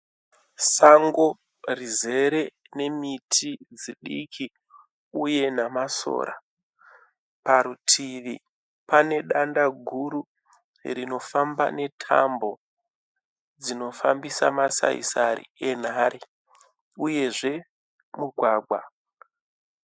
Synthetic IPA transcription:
saŋɡo̞ | rize̞ɾe̞ | ne̞mitʰid͡ziɗikʰi | uje̞namaso̞̰ːɾa̰ | paɾutʰiʋi | pane̞ɗandaɡʱuɾu | rino̞famba̰ne̞tʰa̰mbo̞ | d͡zino̞fambisa̰masa̰ḭsaɾḭe̞n̤aɾi | uje̞ʐe̞ | muɡʱwaːɡʱwa

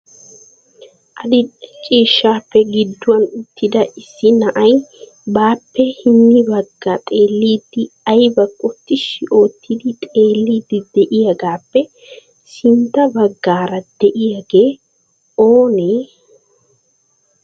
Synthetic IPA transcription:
ʔɐd̪ɪt͡ʃʼiːʃːaːpːɛɡɪd̪ːʊwɐnʊt̪ːɪd̪ɐʔɪsːɪnɐʔɐj | baːpːɛhɪmːɪbɐɡːɐt̪ʼe̞ːlːiːd̪ːɪɐjbɐkʼːɔt̪ːɪʃɪʔo̞ːt̪ʰːɪd̪ɪt̪ʼe̞ːlːiːd̪ɪd̪ɛʔɪjɐɡaːpːɛ | sɪnt̪ːɐbɐɡːaːɾɐd̪̥ɛʔɪjɐɡe̞ː | oːneː

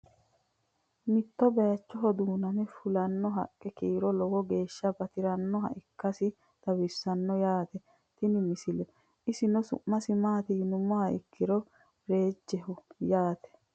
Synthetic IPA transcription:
mɪt̪ːɔbɐjɐt͡ʃːɔɦɔd̪uːnɐnɛfʊlɐnːɔɦɐ̰kʼːɛkiːɾɔlɔwɔɡe̞ːʃːɐbɐt̪ɪɾɐnːɔɦɐ̰ʔɪkːɐsɪ | t̪ɐwɪsːɐnːɔjaːt̪ɛ | t̪ɪnɪmɪsɪlɛ | ɪsɪnɔsʊ̰ʔːɐsɪmaːt̪iːnʊmɔhɐʔɪ̰kːɪɾɔ | ɾe̞ːd͡ʒːɛhʊjaːt̪ɛ̥

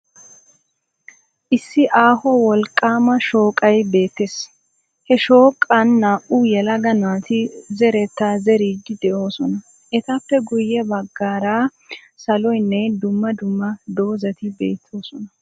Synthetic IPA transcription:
ʔɪsːɪʔaːhɔwɔlkʼːaːmɐʃo̞ːkʼɐjbe̞ːt̪ːeːs | hɛʃo̞ːkʼːɐnːaːʔujɛlɐɡɐnaːt̪ɪzɛɾɛt̪ːaːzɛɾiːɡːɪd̪ɛʔo̞ːsɔnɐ | ʔɛt̪ɐpːɛɡʊjːɛbɐɡːaːɾaː | sɐlɔjnːɛd̪ʊmːɐd̪ʊmːɐd̪o̞ːzɐt̪ɪbe̞̰ːt̪ʰːo̞ːsɔnɐ

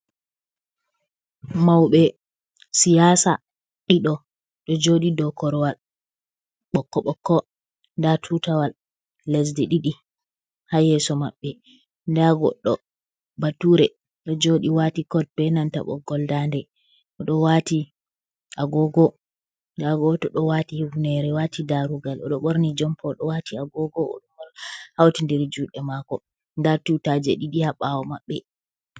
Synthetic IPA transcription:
mawɓɛ | sijaːsa̰ | ɗiɗɔ | ɗɔd͡ʒoɗidɔkɔɾwal | ɓɔkːɔɓɔkːɔ | ndatʰutawalː | ɛs̬dɛɗiɗi | hajɛsɔma̰ɓːɛ | ndaɡɔ̰ɗːɔ̰ | batːuɾɛ | ɗd͡ʒoɗiwatikɔd̚bɛnanta̰ɓɔ̰ɡɔldandɛ | ʔɔɗɔwati | ʔaɡɔɡɔ | ndaɡɔtɔɗɔwatihuvnɛɾɛwatʰidaɾuɡalɔ̰ɗɔɓɔɾnid͡ʒɔmpʰɔɗɔwatiaɡɔɡɔɔ̰ɗɔmɔlhawtindɛɾd͡ʒuɗɛmakɔ | ndatutad͡ʒɛɗiɗihaɓawɔmaɓːɛ

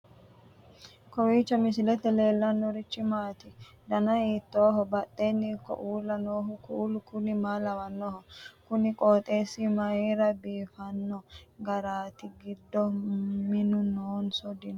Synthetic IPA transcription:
kɔwiːt͡ʃːɐmɪs̬ɪlɛt̪ːɛle̞ːlːɐnːɔɾɪt͡ʃʼːɪmaːt̪ɪ | d̪ɐnɐiːt̪ːoːɦɔbɐt̪ʼːeːnːɪkːɔ̰ʔuːlːɐnoːɦʊkʰuːlʊkʊnɪmaːlɐwɐnːɔhɔkʊnɪkʼoːt̪ʼeːsːɪmɐjeːɾɐbiːfɐnːɔɡɐɾaːt̪ɪɡɪd̪ːɔmɪnʊnoːnsɔd̪ɪn

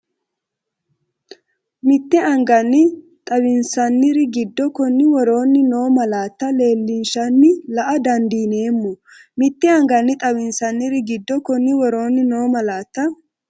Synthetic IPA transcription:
mɪt̪ːɛɐŋɡɐnːɪ | t̪ʼɐbɪnsɐnːɪɾɪɡɪd̪ːɔkɔnːɪwɔɾo̞ːnːɪno̞ːmɐlaːt̪ːɐle̞ːlːɪnʃɐnːɪlɐʔɐd̪ɐnd̪iːne̞ːmːʊ | mɪt̪ːɛɐŋɡɐnːɪt̪ʼɐwɪnsɐnːɪɾɪɡɪd̪ːɔkɔnːɪwɔɾo̞ːnːɪno̞ːmɐlaːt̪ːɐ

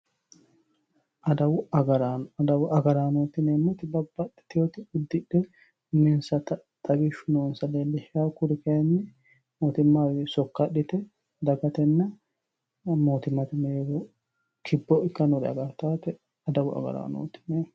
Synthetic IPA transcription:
ʔɐd̪ɐwʊɐɡɐɾd̪ɐwɐɡɐɾaːnoːt̪ːɪneːmːɔt̪ɪd̪ɐbːɐᶑɛ̥t̪ɪjot̪ɪʊd̪ːɪᶑːɛ | ʊmɪnsɐt̪ɐ | t̪ʼɐɡɪʃʊnoːnsɐleːlːɛʃaːkʊɾɪkɐjɐnːɪ | moːt̪ɪmːaːwɪsɔkːɐᶑɪt̪ɛ | d̪ɐɡɐt̪ɛnːɐ | moːt̪ɪmːɐt̪ɪneɾo | kʰɪbːɔʔɪkːɐnɔd̪ɐ̰ɡɐɾt̪aːt̪ɛ | ɐd̪ɐwʊɐ̰ɡɐ̰ɾa̰ːno̰ːt̪ːɪ̥neː

